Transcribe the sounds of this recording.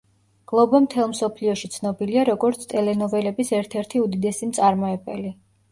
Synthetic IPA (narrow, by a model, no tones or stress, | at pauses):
ɡ̥lˠɔbɔmt̪ʰɛlˠmsɔpʰliɔʃit̪sʰnɔbiliaɾɔɡɔɾt̪sʰt̪ʼɛlɛnɔvɛlɛbisɛɾt̪ʰɛɾt̪ʰiud̪id̪ɛsimt̪sʼaɾmɔɛbɛli